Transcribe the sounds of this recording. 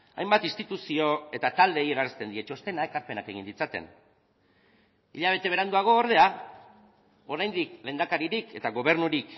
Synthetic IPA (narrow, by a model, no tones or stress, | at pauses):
a̰jmbat̪inst̪it̪usio̞e̞t̪at̪ald̪e̞jeɾaɾrest̪e̞nd̪ie̞t͡ʃo̞st̪e̞nae̞kaɾpe̞nake̞ɣind̪it͡sat̪e̞̰n | ḭʎaβ̞e̞t̪ee̞ɾand̪uaɣ̞o̞ːɾð̞e̞a | o̞ɾajnd̪ikle̞nd̪akaɾiɾike̞t̪aɣo̞β̞e̞ɾnuɾik